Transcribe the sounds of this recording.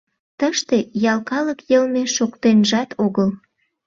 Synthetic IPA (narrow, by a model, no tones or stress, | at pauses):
t̪əʃt̪ejɑlkɑləkjəlmeʃokt̪enʒɑt̪ʰoɣəl